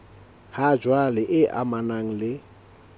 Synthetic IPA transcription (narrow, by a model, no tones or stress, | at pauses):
had͡ʒwalɪʔɪʔa̰manaŋ̩lɪ